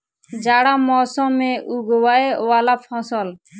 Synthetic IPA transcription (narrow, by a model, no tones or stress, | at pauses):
d͡ʒaːɽaːmɔːsɔ̃ːmẽʔuːɡowaːewaːlaːfʰɔ̃ːsɔl